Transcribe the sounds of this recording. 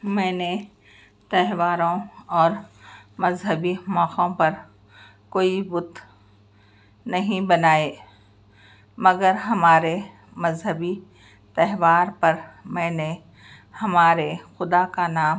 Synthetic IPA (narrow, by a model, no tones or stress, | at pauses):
mɛ̃ːne | t̪ɛɦʋaːɾõɔːɾmɐzɦəbimɔːqõpɐɾ | koːibʊt̪ | nɐɦĩbɐnaːeː | mɐɡəɾɦɐmaːɾe | mɐzɦəbi | t̪ɛɦʋaːɾpɐɾmɛ̃ːne | hɐmaːɾexʊd̪akanaːm